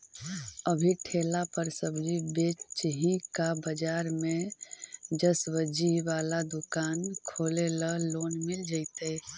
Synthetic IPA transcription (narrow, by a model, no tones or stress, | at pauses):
əbʱiʈʰelapəɾsəbd͡ʒibet͡ʃɦĩkabəd͡ʒaːɾmẽ | d͡ʒəswəd͡ʒiʋaːlad̪ukaːnkʰoːleləloːnmɪld͡ʒaɪt̪e